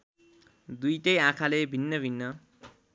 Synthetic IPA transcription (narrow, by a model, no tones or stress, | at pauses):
d̪ujʈʌjãkʰalebʱinːʌbʱinːʌ